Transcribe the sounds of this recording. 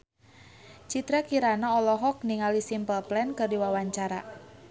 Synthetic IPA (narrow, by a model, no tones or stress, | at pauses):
t͡ʃit̪ɾakiɾanaɔlɔɦɔk̚niŋalisimpəlplɛnkərdiwawaɲt͡ʃaɾa̰